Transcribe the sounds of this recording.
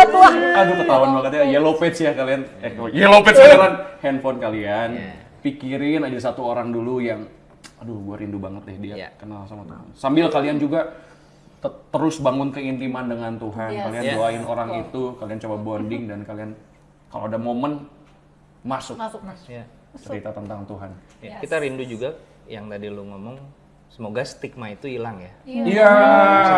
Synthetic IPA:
uaaɡupət̪awanbakat̪ɲajelopɛt̪sjakalianɛjelopɛt̪sanəɾanhɛnfɔnkalian | pikiɾɪnad͡ʒasat̪uoɾaŋdulujaŋ | dʊhɡuaɾindubaŋət̪jahdiakənalsamat̪a̰ʊ̰nsambɪlkaliand͡ʒuɡa | t̪ət̪əɾʊsbaŋʊnkəint̪imandəŋant̪uɦankalianduaɪnoɾaŋit̪ukaliant͡ʃobabɔndɪŋdankalian | ka̰loadamomən | masʊkk | t͡ʃəɾit̪at̪ənt̪aŋt̪uɦan | jakit̪aɾindud͡ʒuɡa | jaŋt̪adiluŋomɔŋ | səmoɡast̪ik̚mait̪uilaŋjaija

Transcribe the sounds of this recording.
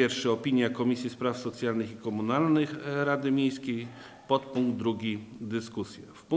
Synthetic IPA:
ɛɾfʂɛɔpʲiɲjakɔmʲisʲjispɾafsɔt̪sʲjalnɘxikɔmunalnɘxɾad̪ɘmʲejskʲej | pɔt̪puŋɡ̚d̪ɾuɡʲid̪ɘskusʲjɛfpu

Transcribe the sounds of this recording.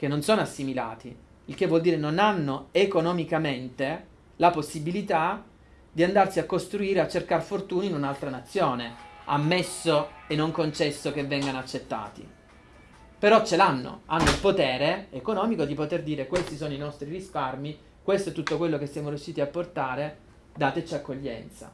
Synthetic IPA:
k̟enːonsoːnoasːimila̰ːt̪i | ilk̟evwɔld̪iːɾenonanːoekonomikament̪e | laposːibilit̪a | d̪iand̪arsiakːost̪ɾuiːɾeat͡ʃːerkarfort̪uːninunalt̪ɾanat̪sːjoːnea̰mːesːoenːoŋkont͡ʃɛsːokevːɛŋɡanoat͡ʃːet̪ːa̰ːt̪ḭ | peɾɔt͡ʃːelanːo̰anːoilpot̪ɛːɾeekonɔːmikod̪ipot̪erd̪iːɾekwest̪isoːnoinɔst̪ɾirisparmi | kwest̪oɛt̪ːut̪ːokwelːokesːjaːmoɾijuʃːiːt̪iapːort̪aːɾe | d̪aːt̪et͡ʃiakːoʎːɛ̰nt̪sa̰

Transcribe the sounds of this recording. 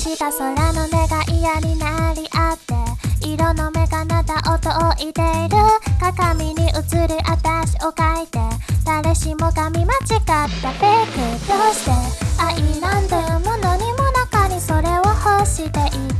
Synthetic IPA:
ɕikasoɾanoneɡaʔijaninaɾiʔat̪ːeiɾonomekanat̪aʔot̪oʔoʔit̪eiɾɯkakaminiʔɯt͡sɯɾɯʔat̪aɕiokait̪et̪aɾeɕimokamimat͡ʃikatapekɯt̪oseaʔiland̪omonoɲimonakanisoɾeohoɕit̪eʔi

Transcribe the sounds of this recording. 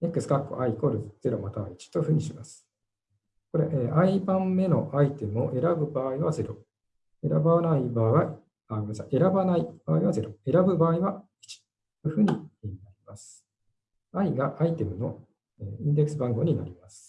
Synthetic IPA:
e̞kːɯ̟sɨ̥kakːo̰ʔaiko̞ɾɯz̥e̞ɾo̞mat̪aβait͡ɕi̥t̪o̞ɸɯ̟ːɲ̟iɕimasɨ̥ | ko̞ɾe̞ʔeːʔaibãmmːe̞no̞̰ʔait̪e̞mɯ̟o̞ʔe̞ɾabɯ̟baːiβaze̞ɾo̞̰ | e̞ɾabanaibaːiβa | aasã̰ʔe̞ɾabanaib̥aːiβaze̞ɾo̞e̞ɾabɯ̟baːiβa | i̥t͡ɕi̥ | oɸɯ̟ːɲ̟inaɾʲimasɨ̥ | aiɡaʔait̪e̞mɯ̟no̞ | eːĩnd̪e̞kːɯ̥s̬ɨbãŋɡo̞ɲ̟ina̰ɾʲimasɨ̥

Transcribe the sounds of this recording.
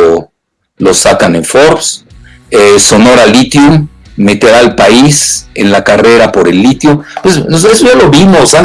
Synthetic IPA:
losakaneɱfoɾs | eso̞no̞ɾalit̪jumːe̞t̪eɾaːlpaisenlakare̞ɾapo̞ɾelːit̪jupwesnosesoʝalo̞βimosan

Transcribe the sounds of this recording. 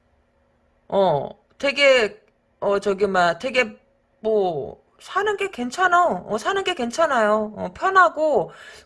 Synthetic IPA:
ʌ | twe̞ɡe̞ | ʌt͡ɕʌɡimatwe̞ɡe̞ | mʌ | sʰanɯnɡe̞ke̞nt͡ɕʰanajoʌsʰanɯnɡe̞ke̞nt͡ɕʰanajoʌ̰pʰjʌnɦaɡo

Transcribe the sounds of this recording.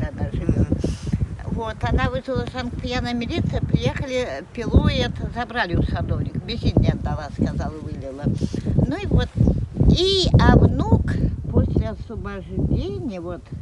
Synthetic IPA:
ad̪aʐɨvʲom | vot̪ɐnavɨʐɨlˠəʂankpʲjanəmʲɪlʲit̪sɨjəpɾʲɪjexəlʲɪpʲɪlˠojet̪zɐbɾalʲɪusɐd̪ovnʲɪkbʲɪsʲid̪ʲnʲɪɐd̪ːalˠaskazalˠvɨlʲɪlˠənuivot̪iɐvnukposʲlʲɪɐsəbɐʐvʲenʲɪjəvot̪

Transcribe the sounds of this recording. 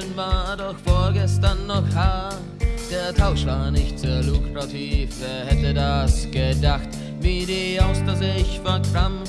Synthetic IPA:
ənvaːɐdɔxfoːɐɡɛstɐnːɔxhaː | d̥eːɐtʰaʊʃvaːɐnɪçtt͡seːɐluːkʁatʰiːfd̥eːɐhɛtədasɡ̥ədaxt | viːdiːʔaʊsdɐzɪçvaːɐkʁ̥am

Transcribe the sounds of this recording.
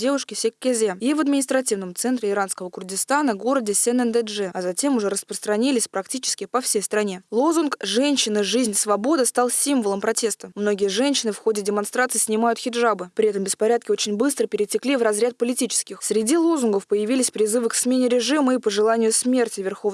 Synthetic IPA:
dʲe̞vʊʂkʲɪsʲɪkʲːezʲeivəd̪mʲɪnʲɪst̪ɾɐtʲivnəmt̪sɛnt̪ɾʲɪɪɾanskəvəkʊrdʲɪst̪anəɡo̞ɾədʲɪsʲɛnɛnd̪ɛʐɛɐzɐtʲe̞mʊʐɛɾəspɾəst̪ɾɐnʲilʲɪsʲpɾɐktʲit͡ɕɪ̥skʲɪpɐfsʲejst̪ɾɐnʲe̞lˠo̞zʊnkʐɛnʲɕːɪnəʐɨzʲnʲsvɐbo̞d̪əst̪alˠsʲimvəlˠəmpɾɐtʲe̞st̪əmno̞ɡʲɪjəʐɛnʲɕːɪnɨfxo̞dʲɪdʲɪmanst̪ɾat̪sɨsʲnʲɪmajʊt̪xʲɪdʐabɨpɾʲɪɛt̪əmbʲɪspɐɾʲat̪̚kʲɪo̞t͡ɕɪnʲbɨst̪ɾəpʲɪɾʲɪtʲɪklʲivrɐzɾʲat̪̚pəlʲɪtʲit͡ɕɪ̥skʲɪxsʲɾʲɪdʲilˠozʊnɡəfpəjɪvʲilʲɪsʲpɾʲɪzɨvɨksmʲenʲɪɾʲɪʐɨməipəʐɨlˠanʲɪjʊsʲmʲe̞rtʲɪvʲɪrxo̞v

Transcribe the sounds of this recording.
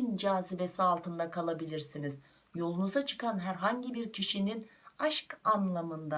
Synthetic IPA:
ind͡ʒaːzibesialˠt̪ʰɯnd̪akʰalˠabilʲiɾsiniz | jo̞lˠunuzat͡ʃʰɯ̥kanɦæɾɦaɲɟibiɾcʰiʃininaʃkanlˠamɯnd̪a

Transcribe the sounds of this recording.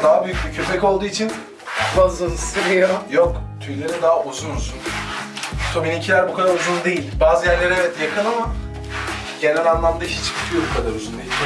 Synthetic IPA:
d̪aɦabyjyc̚ʲbicʰyɾmɛco̞lˠd̪uːit͡ʃʰin | azanɯsiɾijojokt̪ʰyɾlʲeɾid̪aɦaʔuzunuzun | t̪ʰominicʰilʲæɾbukʰad̪aɾuzund̪e̞jilʲbaːzɯjæɾlʲe̞ɾevɛt̪jakʰɯnama | ɟe̞nɛnʲanlˠamd̪aiʃɛt͡ʃʰi̥kʰi̥k̪ʰɯjo̞bukʰad̪aɾuzund̪eilʲ

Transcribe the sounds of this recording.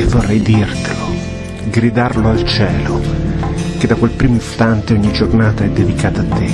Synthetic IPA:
vorːɛjd̪irt̪elo | ɡɾid̪arloalt͡ʃɛːlo | ked̪ːakwelpɾiːmoist̪ant̪eɔɲːid͡ʒornaːt̪aɛd̪ːed̪ikaːt̪aːt̪ːe

